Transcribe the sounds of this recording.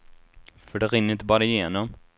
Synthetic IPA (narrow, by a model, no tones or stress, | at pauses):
fœɖɛɾɪnːɾɪnt̪əbɑːɾaɪjeːnɔm